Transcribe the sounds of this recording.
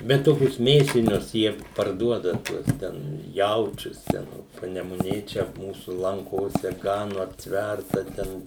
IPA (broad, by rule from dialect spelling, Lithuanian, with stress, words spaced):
bʲɛt ˈtoːkʲʊs ˈmʲeːsʲɪnʲʊs ˈjiɛ pɐrˈduɔdɐ ˈtuɔs ˈtʲɛn ˈjɛʊt͡ʃʲʊs ˈtʲɛn oː pɐnʲɛmʊˈnʲeː ˈt͡ʃʲɛ ˈmuːsʊ lˠɐŋˈkoːsʲɛ ˈɡɑːnʊ ɐpʲˈtʲʋʲærtɐ ˈtʲɛn